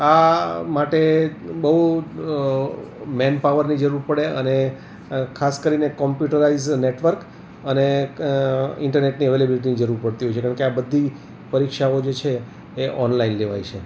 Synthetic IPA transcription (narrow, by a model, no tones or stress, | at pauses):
amaʈebəɦu | mɛnpaʋəɾnid͡ʒəɾuɾpəɽeəne | kʰaskəɾinekɔmpjuʈəɾaizneʈʋəɾk | əne | ɪ̃ɳʈəɾneʈniəʋelebiliʈ̬inid͡ʒəɾuɾpəɽt̪iɦɔjt͡ʃʰekaaɳkeabəd̪ʱːi | pəɾikʃaod͡ʒet͡ʃʰeː | ʔɔnlainleʋa̰jt͡ʃʰe